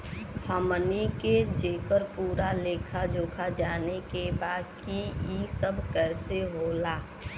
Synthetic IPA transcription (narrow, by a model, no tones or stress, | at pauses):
həməniked͡ʒeːkəɾpuːɾaleːkʰad͡ʒoːkʰad͡ʒaːnekebaːd̪kiisəbkɛːseɦoːlaː